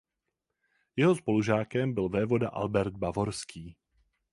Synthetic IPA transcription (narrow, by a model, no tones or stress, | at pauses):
jɛɦo̞spo̞luʒaːkɛmbɪlvɛːvo̞daʔa̰lbɛɾd̪̚bavo̞ɾskiː